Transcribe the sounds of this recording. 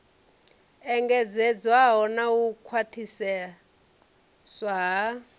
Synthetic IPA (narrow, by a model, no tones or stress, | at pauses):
ɛŋɡɛd͡zɛd͡zwaɦɔnawukʰwatʰisɛ | swaɦa